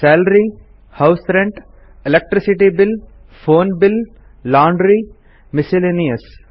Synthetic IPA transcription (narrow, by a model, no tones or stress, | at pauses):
sɛːlɾi | haʊsɾẽɳʈ | ɪlek̚ʈɾɪsɪʈibɪl | foːnbɪl | lãːɳɖɾi | mɪsɪlenijəs